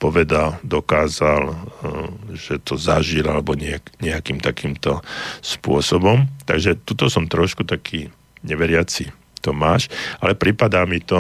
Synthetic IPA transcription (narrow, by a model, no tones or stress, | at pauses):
pɔʋɛd̪ald̪ɔkaːzal | ʒ̥ɛt̪ɔzaʒilalɛbɔɲɛaɲɛakiːmt̪akiːmt̪ɔspʊɔsɔbɔmt̪a̰ɡʒɛt̪ut̪ɔsɔmt̪ɾɔʃkut̪akʰiː | ɲɛʋɛɾɪat͡si | t̪ɔmaːʃalɛpɾipad̪aːmit̪ɔ